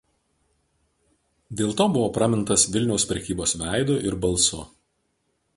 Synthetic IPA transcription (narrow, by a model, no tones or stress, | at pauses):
d̪ʲeːlˠt̪oːbʊʋoːpɾɑmʲɪnˑt̪ɐsʋʲɪlʲnʲɛʊspʲɾʲɛkʲiːboːsʋʲæˑɪd̪ʊʔɪɾbɐlˠsʊ